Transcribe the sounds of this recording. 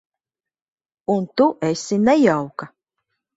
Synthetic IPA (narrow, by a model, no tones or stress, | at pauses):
unt̪uʔesinɛjawka